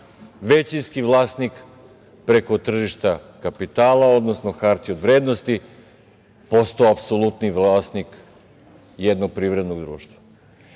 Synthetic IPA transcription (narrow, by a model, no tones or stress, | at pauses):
ʋet͡ɕinskiʋlˠaːsnik | pɾe̞ko̞t̪r̩ʒiʃt̪a | kapit̪aːlˠao̞d̪nosno̞xaɾt̪iod̪ʋɾeːd̪no̞st̪i | post̪oapsolˠut̪niʋlˠaːsnik | jed̪noɡ̚pɾiːʋɾe̞d̪noɡd̪ɾṵːʃt̪ʋa